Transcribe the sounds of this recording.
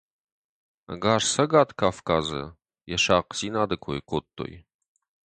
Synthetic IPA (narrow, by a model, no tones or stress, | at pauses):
ɡaːrsɐɡaːt̪kʰaːfkaːzɐ̰ | jɛʃaːqziːnaːd̪ɐkʷʰojkʷʰoːt̪ʰːo̰j